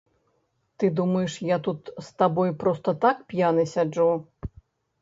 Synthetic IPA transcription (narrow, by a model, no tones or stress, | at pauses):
t̪ɨd̪umɐjɛʂjat̪ut̪st̪abɔjpɾɔst̪ɐt̪akpʲjanɨsʲad͡ʐu